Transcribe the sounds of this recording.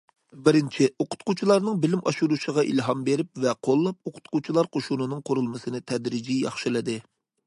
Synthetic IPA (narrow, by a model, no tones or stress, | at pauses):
bɪɾɪnt͡ʃʰɪoqʰʊ̥t̪̚qut͡ʃʰilˠɑɾnɨŋbɪlɪmʔɑʃuɾuʃəʁɑʔḭlɦɑmbeɾɪp̚vɛqʰolˠːɑp̚oqʰʊ̥t̪qut͡ʃʰilˠɑɾqʰoʃunɨnɨŋqʰoɾulˠmɨsɨnɨt̪ʰɛd̪ɾid͡ʒijɑ̰χʃɨlɨd̪ɨ